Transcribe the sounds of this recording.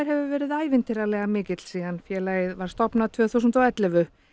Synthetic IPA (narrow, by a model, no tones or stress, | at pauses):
ɾ̥ɦɛvʏvɛːɾɪðaːjvɪnt̪ɪɾalɛɣamɪːcɪt̪l̥siːðanfjɛːlaːjɪðvaɾ̥st̪ɔpnat̪ʰvœːθuwsʏnt̪ɔɛt̪lɛvʏ